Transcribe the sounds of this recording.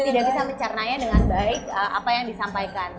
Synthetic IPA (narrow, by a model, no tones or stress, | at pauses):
t̪idaʔbisaməɲt͡ʃərnaɲadəŋanbaɪk̚əʔa̰pajaŋdisampajkan